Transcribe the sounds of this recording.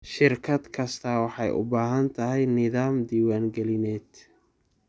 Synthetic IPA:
ʃɪrkʰɐd̪kʰɐst̪ʰɐwɑħɑjʔʊ̰baːɦɐnt̪ʰɐɦɛjnɪðaːmd̪iːwaːŋɡɛlɪnɛːd̪

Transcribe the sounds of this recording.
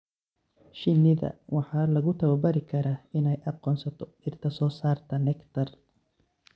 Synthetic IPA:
ʃɪnɪðɐ̰wɑħɑːlɐɣʊt̪ʰɐwɐbɐɾɪkʰɐɾaːɪnɛjʔɑqɔːnsɐt̪ʰɔ | ɪrt̪ʰɐsɔːsaːrt̪ʰɐnɛkt̪ʰɐr

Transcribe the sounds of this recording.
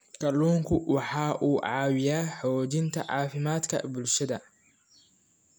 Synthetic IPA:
kʰɐluːŋkʰʊwɑħɑːʔuːʕɑːwɪjaːħɔːt͡ʃɪnt̪ʰɐ̰ʕɑ̰ːfɪmaːd̪kʰɐ̰bʊlʃɐðɐ

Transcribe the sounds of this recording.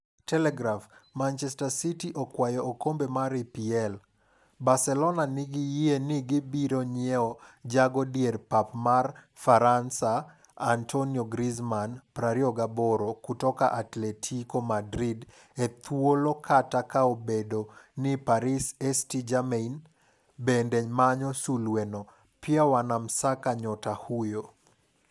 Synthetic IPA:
tɛlɛɡɾafmant͡ʃɛstasitiʔokwajɔokombemaɾipiɛl | basɛlɔnanɪɡɪjienɪɡɪbiɾoɲɪɛɔd͡ʒaɡɔdierpapmar | faɾansaː | ntʰonioɡɾizmanpɾaɾioɡabɔɾokutɔkaʔatlɛtʰikomadɾid | et̪ʰwolokʰatakaobedonipaɾisɛstid͡ʒamein | bendeɲmaɲɔsulwenɔ | pjawanamsakaɲɔtahujo

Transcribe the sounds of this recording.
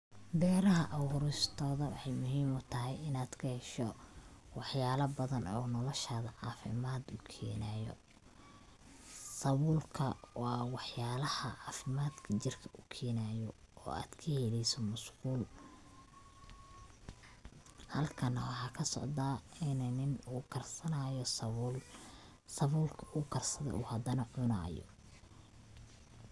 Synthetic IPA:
bɛːɾɐɦɐʔɐwʊɾʊst̪ʰɔːðɐwɑ̰ħɑjmʊɦiːmʊt̪ʰɐɦɛjɪnaːd̪̥kʰɐhɛʃɔwɑħjaːlɐbɐðɐnɔ̰ːnɔlɔʃaːðɐʕɑːfɪ̰maːd̪ʊkʰḭːnaːjɔ̰ | sɐβuːlkʰɐwɑːwɑħjaːlɐhɐʕɑːfɪmaːd̪kʰɐt͡ʃɪrkʰɐʊkʰɛːnaːjɔɔ̰ːa̰ːd̪̥kʰɐhɛlɛjsɔmʊskuːl | hɐlkʰɐnɐwɑħɑːkʰɐsɔ̰ʕd̪aːɪnɛnɪnukʰɐrsɐnaːjɔl | sɐβuːlkʰɐukʰɐrsɐðɐ̰ʔuhɐd̪ɐnɐʕʊna̰ːjɔ̰

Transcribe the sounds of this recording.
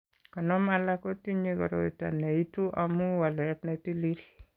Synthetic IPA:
kɔnɔmalakotiɲekɔɾo̰ita̰neituʔamuwalɛtnatilil

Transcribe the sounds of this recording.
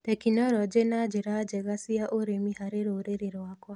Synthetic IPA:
tɛkinɔɾɔd͡ʒenad͡ʒeɾad͡ʒɛɣasiaʔoɾemihaɾeɾoɾeɾeɾwakwa

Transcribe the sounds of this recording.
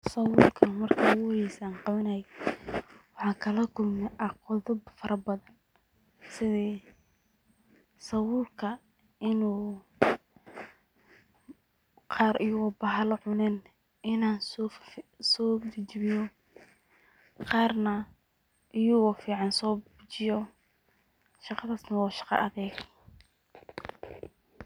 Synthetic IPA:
sɐwʊlkʰɐmɐrkʰɐʊɣʊhɛjsaːnqɑβɐnɐj | wɑħɑːkʰɐlɐkʰʊlmɛʔɐqɔðʊbfɐɾɐbɐðɐn | sɪðɛː | sɐwʊːlkʰɐ | ɪnuː | qʰɑːɾɪjuwɐbɐɦɐlɔʕʊnɛn | ʔɪnaːn | sɔːd͡ʒt͡ʃβɪjɔ | qɑːrnɐ | ʔɪjuːwɐfiːʕɑnsɔːbbʊt͡ʃɪjɔ | ʃɑqɑðaːsnɐwɑːʃɑ̥qɑ̰ʔɐðɛːɡ

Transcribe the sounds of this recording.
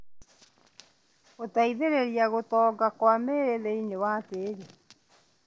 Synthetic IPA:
ɣotaiðeɾeɾiaɣotɔːɡakwameɾeðeiɲewaːteɾe

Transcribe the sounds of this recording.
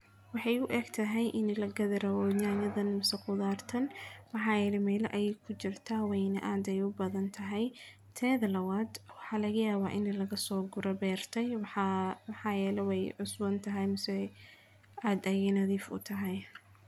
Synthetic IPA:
wɑħɑjʊʔɛːɡt̪ʰɐɦɛjʔɪnlɐɡɐðɐɾɐwɔɲaːɲɐðɐnmɐsɛqʊðaːrt̪ʰɐnmɑħɑːjɛːlɛmɛːlɛʔɐjɛjkʰʊt͡ʃɪrt̪ʰaːwɛjnɐʔaːd̪ɛjʊbɐðɐnt̪ʰɐɦɛj | t̪ʰɛːðɐlɐwad̪wɑħɑːlɐɣɐjaːβaːʔɪnlɐɣɐsɔːɡʊɾɐbɛːrt̪ʰɛjwmħɑːjɛːlɛwɛjʕʊsbɐnt̪ʰɐɦɛjmɐsɛ | ʔaːd̪ɐjɛnɐðiːfʊ̰t̪ʰɐɦɛj

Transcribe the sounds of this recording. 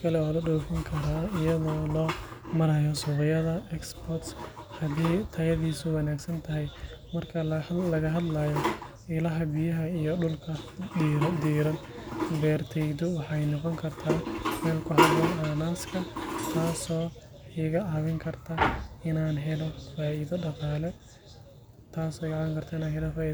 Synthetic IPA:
kʰɐlɛɔːlɐɖɔːfɪŋkʰɐɾaɪjɐðɔːlɔːmɐɾɐjɔsʊʁɪjɐðɐɛksbɔt̪shɐd̪iːt̪ʰɐjɐðiːsʊwɑnaːɡsɐnt̪ʰɐɦɛj | mɐrkʰɐlɐɣɐɦɐd̪lɐjɔ | ɪlɐɦɐbɪjɐɦɐijɔɖʊlkʰɐɾd̪iːɾɐn | bɛːrt̪ʰɛd̪ɔwɑħɑjnɔqɔŋkʰɐrt̪ʰaːmɛːlkʰʊɦɐd̪ɔlɛnaːskʰɐt̪ʰaːsɔː | iɣɐʕɑːwɪŋkʰɐrt̪ʰɐɪnaːnɦɛlɔfaːiːðɐɖɑqaːlɛ | t̪ʰaːsɔːɪɣɑʕβɐŋkʰɐrt̪ʰaɪnaːnɦɛlɔfaːiː

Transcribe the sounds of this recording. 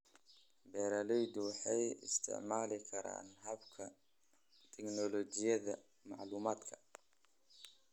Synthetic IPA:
bɛːɾɐlɛjd̪wɑħɑjɪ̰st̪ʰɪ̰ʕmaːlɪkʰɐɾa̰ːnɦɐbkʰɐ | t̪ʰɛknɔlɔt͡ʃɪjɐðɐ | mɑ̰ʕluːmaːd̪kʰɐ̥

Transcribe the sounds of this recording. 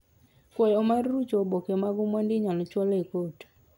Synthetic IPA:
fwɔjɔmarːut͡ʃɔbokemaɡumwandɪɲalt͡ʃwɔlekot

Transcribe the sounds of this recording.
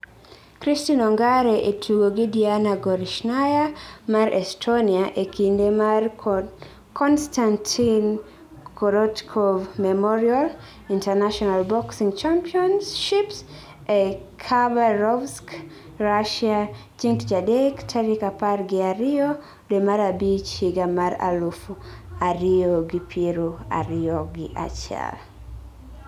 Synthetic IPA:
kɾistinɔŋɡaɾɛʔetʰuɡoɡidianaɡɔɾiʃnajamaɾʔɛstʰɔniaʔekʰindɛmar | kɔnstantʰin | kʰɔɾɔtkʰɔvmɛmɔɹial | intɛnaʃɔnalbɔksĩŋt͡ʃampiɔnsʃips | ɛkʰabaɾɔvsk | ɹaʃia | t͡ʃiŋkd͡ʒadɛktʰaɾikapaɾɡiaɾio | dɛmaɾabit͡ʃiɡamaɾa̰lufuaɾiɔɡipʰiɾua̰ɾioɡiʔa̰t͡ʃa̰l

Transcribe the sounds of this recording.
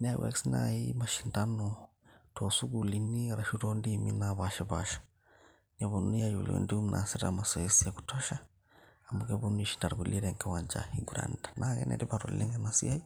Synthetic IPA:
nawʔɛ̰ksna̰imaʃindano | tʰosuɣuliniaɾaʃuɾondiminaβaʃaβa̰ʃḁ | naβonujajulḛndiumnʔa̰siɾa̰masɔesiaku̥tʰɔʃaː | mukɛβoniʃi̥ndaɾɡuliɾɛŋkawaɲd͡ʒa̰iɡuɾa̰ndanʔaɣɛ̰nɛ̰ɾiβaɾo̰llʔɛŋɡɛnasḭai

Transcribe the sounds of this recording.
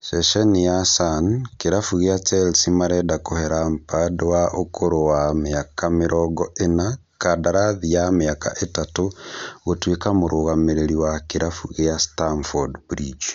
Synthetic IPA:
sɛʃɛnijasankeɾafuɣeat͡ʃɛlsimaɾɛdakohɛɾampadwaʔokʰoɾowameakameɾɔɡɔena | kadaɾaðijameaka̰ʔetatoɣotwekamoɾoɣameɾeɾiwakeɾafuɣeastanfɔdbɾid͡ʒ

